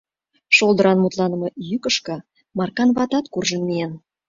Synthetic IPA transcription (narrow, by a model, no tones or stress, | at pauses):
ʃolˠd̪ə̆ɾɑnmut̪lˠɑnə̆mɤ̆jykə̆ʃkɤ̆ | mɑrkɑnβɑt̪ɑt̪kurʒə̆nmien